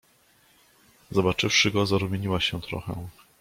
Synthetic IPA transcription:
zɔbat͡ʂɘfʂɘɡɔzaɾumʲjeɲiwaɕɛt̪ɾɔ̰xɛ̰

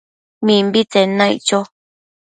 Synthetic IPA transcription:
mĩmbit͡senãḭ̃t͡ʃo

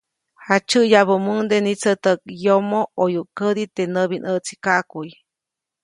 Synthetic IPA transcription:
hat͡ʃɨʔjaβəmund̪enit͡sət̪ək̚jomoojuʔkəɾit̪enəβinəʔt͡si̥kaʔkuj

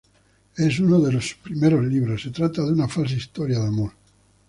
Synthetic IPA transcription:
ɛsunoðelospɾimeɾozliβɾosːet̪ɾat̪ːad̪unafals̬aist̪ɔɾjad̪amoɾ

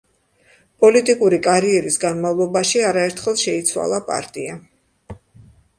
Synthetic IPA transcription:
pʼɔlit̪ʼikʼuɾikʼaɾiɛɾisɡanmavlˠɔbaʃiaɾaɛɾt̪ʰχɛlˠʃɛit̪sʰwa̰lˠapʼa̰ɾt̪ʼia

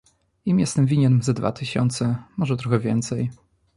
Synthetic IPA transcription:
imjɛst̪ɛmvʲiɲɛnzad̪va̰t̪ʰɘɕɔ̰nt̪sɛmɔʐɛt̪ɾɔxɛvʲjɛ̰nt̪sɛj

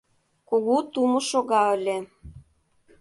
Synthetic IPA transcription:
koɣut̪umoʃoɣɑə̆lʲe

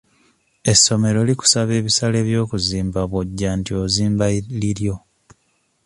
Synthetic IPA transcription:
e̞sːo̞me̞ɾo̞liku̥saβe̞ːβisale̞ːβjo̞ːkuziːmbaβwoɟːantio̞ziːmbaliɾjo̞

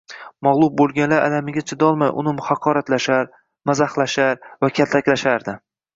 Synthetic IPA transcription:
maʁlˠʊb̚bolˠɡʲanlaɾa̰lamɪɡʲat͡ʃʰɪd̪ɒlˠmajʔʊ̰nɪmhɑqʰɒɾat̪laʃaɾ | mazahlaʃaɾvakʲʰat̪t̪ʰakʲlaʃaɾd̪ɪ

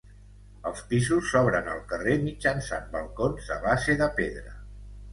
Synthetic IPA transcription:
əlˠspisusːɔβ̞ɾənəlˠkəremid͡ʒənsa̰mbəlˠkonzə̰βaseðəpeðɾə

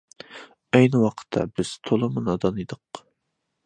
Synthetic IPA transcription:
ɛjnɪwɑqʰə̥t̪ʰːɑ̰bɪz̥t̪ʰolˠɨmɨnɑd̪ɑnid̪əq

